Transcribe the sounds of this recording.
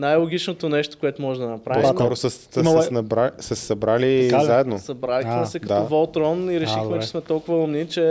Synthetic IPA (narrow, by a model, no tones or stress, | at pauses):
najlˠoɡʲit͡ʃnot̪onɛʃt̪o̥koɛt̪ʊmɔʒɛd̪ɐnɐpɾapɔimkɔɾosəsmsnɐbɾasəssɐbɾaliazaɛd̪nosɐbɾalixmɛsɛkɐtd̪aɔvɔlˠt̪ɾɔniɾɛʃixmɛt͡ʃɛ̥smɛt̪ɔlˠkʊvəomnit͡ʃɛ